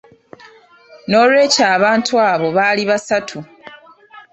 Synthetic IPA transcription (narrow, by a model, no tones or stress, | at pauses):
no̞ːlwe̞ːcaːβaːntʰuaːβo̞βaliβasatʰu